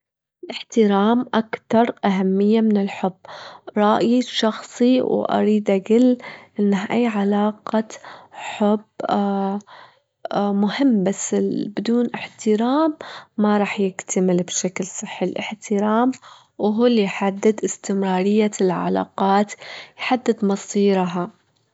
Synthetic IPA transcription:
ɪlʔɪħt̪ɪɾaːmʔakt̪ɑɾˤʔaɦamːɪjːamɪnɪlħʊbːɾˤɑʔjiʃɑxsˤiwʔɑ̰ɾiːd̪ʔaɡɪlːʔɪnːahʔajːʕalaːqɑħʊb | mʊhɪmːbasːɪbɪd̪uːnʔɪħt̪ɪɾaːmːaɾˤɑːħjɪkt̪ʰamɪlbʃaklsˤɨħːɪlʔɪ̰ħt̪ɪɾɑːm | wɦuːlːijħad̪ːɪd̪ʔɪst̪ɪmɾˤɑːɾˤɪjːalʕa̰la̰ːqɑːt̪jħad̪ːɪd̪mɑsˤiːɾɦa

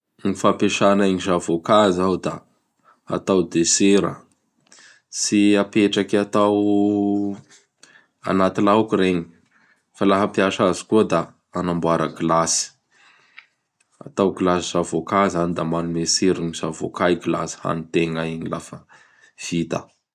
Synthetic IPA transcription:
ɲifapeʃanaiɲizavokazawd̪a | a̰t̪awd̪eseɾə̰ | siapeʈ͡ʂakat̪aw | a̰nat̪ilaukuɾeɲi̥ | falaɦapiaʃazi̥kuəd̪a | anambuaɾəɡilasi̥ | a̰t̪awɡilasiz̥avokazanid̪amanumeseɾiɲiz̥avo̰kaiɡila̰si̥ha̰nit̪eŋaiɲilafə | v̥it̪ə̰

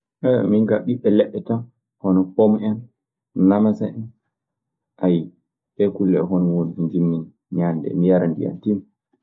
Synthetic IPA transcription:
ʔɛmiŋɡaɓiɓːɛlɛɓːɛtam | hɔnɔpomɛn | namasaʔɛn | ʔaji | ɓɛkulːɛɦɔnɔwoɾid͡ʒiɲd͡ʒimːin | ɲandɛ̰mijaɾandḭja̰tin

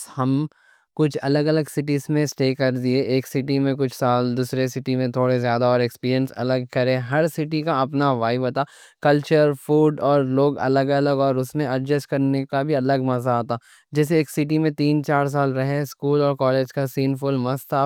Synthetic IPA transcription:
hɐm | kʊt͡ʃʰɐləɡɐləɡsɪʈizmẽsʈeːkɐɾd̪ieʔeːksɪʈimẽk̬ʊt͡ʃʰsaːld̪uːsɾesɪʈimẽt̪ʰoːɽezjaːd̪aɔːɾekspiːɾijə̃nsɐ̰ləɡ̚kɐɾẽɦɐɾsɪʈikaɐpnaʋaːɪʋot̪aːkɐlt͡ʃəɾfuːɖɔːɾloːɡɐ̰ləɡɐləɡɔːɾʊsmẽɐɖd͡ʒəsʈkɐɾnekabʱiɐləɡmɐzaːt̪aː | d͡ʒɛːs̬eeːksɪʈ̬imẽt̪iːnt͡ʃaːɾs̬aːlɾɐɦeskuːlɔːɾkɔːleːd͡ʒkasiːnfʊlmɐst̪ʰa

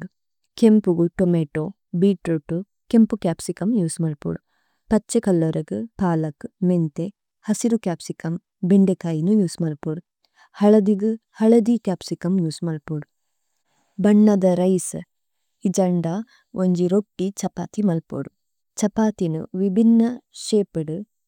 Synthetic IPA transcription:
kempuɡuʈomeːʈo | biːʈɾoʈːu | kempukʲaːpsikɐmjuːsmɐlpṵɽu | pɐt͡ʃːekɐlːɐɾɐɡɨpaːlɐkɨment̪e | hɐsiɾukjaːpsikɐm | beɳɖekaːjinujuːsmɐlpuɽu | hɐɭɐd̪iɡɨhɐɭɐd̪ikʲaːpsikɐmjuːsmɐlpuɽu | bɐɳːɐd̪ɐɾɐjsɨ | id͡ʒɐɳɖa | ʔoɲd͡ʒiɾoʈːit͡ʃɐpaːt̪imɐlpṵɽu | t͡ʃɐpaːt̪inṵʋibʱinːɐʃeːpiɽɨ

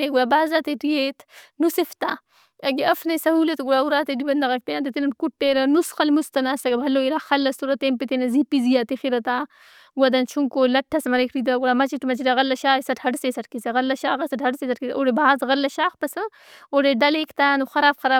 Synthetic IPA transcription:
eɡujabaːzaːt̪eʈijet̪nusift̪a | ɐɡiɐfnɐsɐhuːlɐt̪ɡuɽauɾaːt̪edibɐnd̪ɐɣɐk̚t̪ɐjãnt̪̬et̪inɐnkuʈːeːɾɐnusxɐlmust̪ɐnaːsɐɡɐbʱɐloːiɾaːxɐlːɐst̪uɾɐt̪eːmpit̪enɐzipizijaːt̪ixiɾɐt̪aː | wɐd̪ɐnt͡ʃʰuŋkoːlɐʈʰːɐsmɐɾekʰɾid̪̬aɡuɽamɐt͡ʃiʈmɐt͡ʃiɾaɣɐlːɐʃaːisɐʈhɐɖsesɐʈkisɐɣɐlːɐʃaːɣɐsɐʈhɐɽsesɐʈkisʔoɽebaaːzɣɐlːɐʃaːxpɐsɐ | oɽeɖɐleːkt̪aːnuxɐɾaːbxɐɾaː

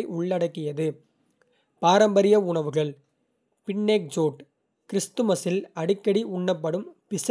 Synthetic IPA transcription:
ɪʔʊɭːɐɽɐkːɪjɐðɯ | paːɾɐmbɐɾɪjɐʊɳɐʋɯɣɐɭ | pɪɳːeːk̚d͡ʒoːʈ | kɪɾɪst̪ɯmɐsɪlɐɽɪkːɐɽiʊɳːɐpːɐɽɯmpɪsɐ

